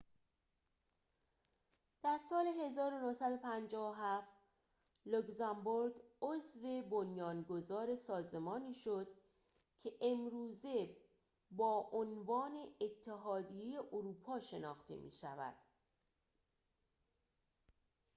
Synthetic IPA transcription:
d̪̥æɾsɒːle̞ɦe̞zɒːɾo̞nohsæd̪o̞pʰænd͡ʒɒːvoɦæft̪ | lokzæmboɾɡozve̞bonjɒːnɡo̞zɒːɾe̞sɒːze̞mɒːniːʃod̪̥ | cʰe̞ʔemɾuːze̞ | bɒːʔonvɒːne̞ːt̪ʰːe̞ɦɒːd̪ijejeʔoɾuːpʰɒːʃe̞nɒːxt̪ʰe̞̰mʔḭːʃævæ̰d̪̥

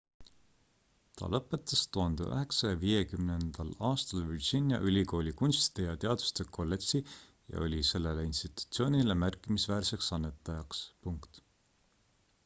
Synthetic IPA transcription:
t̪ʰɑ̰lɤ̞pːˑe̞t̪ːˑɑst̪uɦɑnd̪̥ḛʔø̰ɦe̞ksɑjɑviːjekymnend̪̥ɑlɑːst̪ɑlvirʑinʲjɑ̰ʔylʲiko̞ːlʲikunʲst̪i̥d̪̥ejɑt̪e̞ɑd̪u̥st̪e̞kʰo̞lːeksi | jɑ̰o̞lʲise̞lːe̞leinst̪it̪u̥t̪sio̞ːnʲile̞mærkːˑimisvæːrse̞ksɑnːe̞t̪ːˑɑjɑkspuŋkt̪

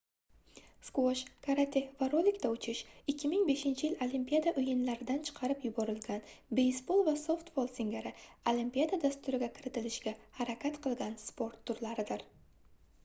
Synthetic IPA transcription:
skwoʃkʰaɾat̪ʰefvaɾolʲɪkʲt̪aʊt͡ʃʰɪʃɪkʲːɪmɪŋbe̞ʃɪnt͡ʃʰɪjɪlolimpʲijad̪aʔʊjɪnlaɾɪd̪ant͡ʃʰɨ̥qʰɑɾɪpjʊbɒɾɪlɡʲanbe̞jsbo̞lˠvaso̞ft̪volˠsɪŋɡʲaɾɪolimpʲijad̪ad̪ast̪ʊɾɪɡʲakʲʰɪɾɪt̪ɪlɪʃɡʲahaɾakʲat̪qʰɨlˠɡʲanspo̞ɾt̪ʰːʊɾlaɾɪd̪ɪɾ

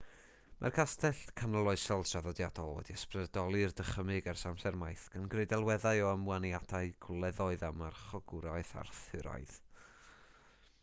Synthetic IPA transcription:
mʔa̰rkʰastʰɛɬkʰanɔlˠɔɨsɔlˠdʰraðɔdjadɔlˠwɛ̰diəsprɛdɔlˠɨrdəχəmɪɡarsamsɛrmajθɡ̥anɡrejdɛlˠwɛðajɔəmwanjadaɨɡʰʊlˠɛðɔɨðamarχɔɡʊɾaɨθa̰rθɪɾa̰ɨð

